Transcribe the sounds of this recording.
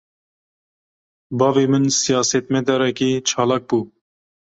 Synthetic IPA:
bɑːveːmɨnsijɑːsɛt̪mɛd̪ɛɾɛkiːt͡ʃʰɑːlɑːk̚buː

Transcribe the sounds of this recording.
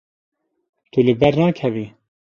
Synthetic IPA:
t̪ulɨbɛɾnɑːkʰɛviː

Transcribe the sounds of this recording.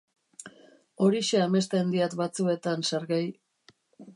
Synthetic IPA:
o̞ɾiʃe̞ame̞st̪e̞nd̪iat̪bat͡sue̞t̪ansaɾɣaj

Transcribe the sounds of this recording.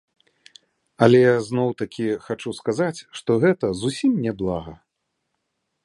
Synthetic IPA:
ɐlʲɛjaznɔwt̪akʲixat͡ʂuskazat͡sʲʂt̪ɔɣɛt̪ɐzusʲimnʲɛblˠaɣɐ̰

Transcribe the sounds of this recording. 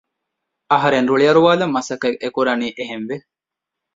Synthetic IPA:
ɐɦɐɾenɾuɭijɐɾuʋaːlɐmːɐsɐkeekuɾɐniːʔeɦenʋe

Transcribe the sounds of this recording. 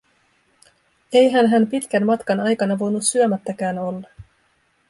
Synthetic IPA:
e̞jɦænɦæmpit̪k̟ænmɑt̪kɑnɑjkɑnɑʋo̞jnut̪syømæt̪ːækæːno̞lːɑ

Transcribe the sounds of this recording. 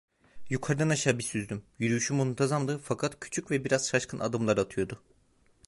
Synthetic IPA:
jukʰaɾd̪anaʃaːbisyzd̪ymjyɾyjyʃymuunt̪ʰazamd̪ɯfakʰat̪cʰy̥t͡ʃʰycvɛbiɾaz̥ʃaʃkʰɯnʔa̰d̪ɯmlˠaɾat̪ʰɯjo̞d̪ʊ

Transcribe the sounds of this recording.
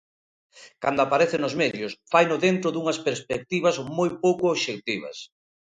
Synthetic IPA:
kand̪ʊapaɾeθɪnʊzmɛðjʊsfajnʊðent̪ɾʊðuŋɐspeɾspek̚t̪iβɐzmojpowkʊːβʃek̚t̪iβ̞ɐ̰s

